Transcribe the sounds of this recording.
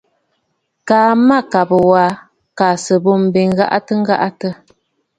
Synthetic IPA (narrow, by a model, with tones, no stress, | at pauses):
kaː˨ma˦˨ka˨bə˨wa˦ | ka˨sə˨bo˦˨m̩˨bi˨ŋ˦ɣa̰˦ʔa˦tə˦ŋ̩˦ɡa̰˦ʔa˦tə˦